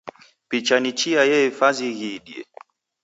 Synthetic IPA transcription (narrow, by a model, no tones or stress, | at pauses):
pit͡ʃanit͡ʃiajɛifaziɣiɗiɛ̰